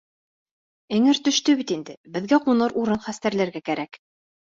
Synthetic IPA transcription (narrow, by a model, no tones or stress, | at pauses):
ɘ̆ŋɘɾt̪ɵ̆ʃt̪ɵβit̪ind̪ɘbɘ̆ðɡæqunɤɾʔuɾɤnχæst̪æɾlæɾɡækæɾæk